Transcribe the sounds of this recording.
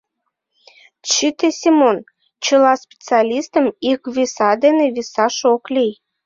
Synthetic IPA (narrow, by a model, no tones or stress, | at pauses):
t͡ɕit̪esʲimon | t͡ɕəlɑspʲe̥t͡sɨɑlʲist̪əmikβisɑd̪eneβisɑʃoklij